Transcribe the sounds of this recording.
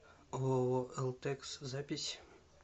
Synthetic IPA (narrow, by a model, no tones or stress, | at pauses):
oɛlˠt̪ekszapʲisʲ